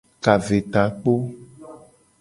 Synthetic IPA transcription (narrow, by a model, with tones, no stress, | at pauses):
ka˨ve˨t̪a˨k͡po˦